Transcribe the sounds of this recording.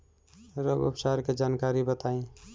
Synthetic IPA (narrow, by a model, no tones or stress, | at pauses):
ɾoːɡʊ̰pʰsaːɾked͡ʒaːnkaːɾibət̪aːĩ